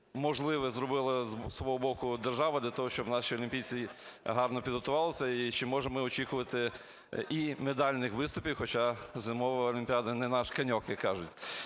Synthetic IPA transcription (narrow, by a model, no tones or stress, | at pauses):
mɔʒlˠɪʋɛzɾɔbɪlˠɪzsʋɔɦɔbɔkʊd̪erʒɑʋɐd̪lʲɐt̪ɔɦɔʃt͡ʃɔbnɑʃiɔlʲimʲpʲijt͡sʲiɦɑrnɔpʲid̪ɦɔt̪ʊʋɑlˠɪsʲɐit͡ʃɪmɔʒemɪɔt͡ʃikʊʋɐt̪ɪ | ʔimed̪ɑlʲnɪxʋɪst̪ʊpʲiwxɔt͡ʃɑzɪmɔʋɐɔlʲimʲpʲiɑd̪ɐnɛnɑʃkɐnʲɔkjɐkːɑʒʊtʲ